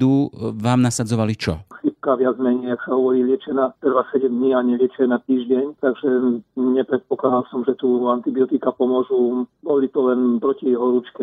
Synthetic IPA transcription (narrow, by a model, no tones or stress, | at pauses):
d̪uʋaːmnasad͡zɔʋalit͡ʃɔ̰xip̚kaʋɪad͡zmɛɲɛjaksaɦɔʋɔɾiːlɪɛt͡ʃɛnat̪r̩ʋasɛɟɛmd̪ɲiaɲɛlɪɛt͡ʃɛnat̪iːʒɟɛɲt̪aɡʒɛɲɛpɾɛt̪̚pɔklad̪alsɔmʒɛt̪uant̪ibiɔt̪ikapɔmɔʒubɔlit̪ɔlɛnpɾɔciɛɦɔɾut͡ʃkɛ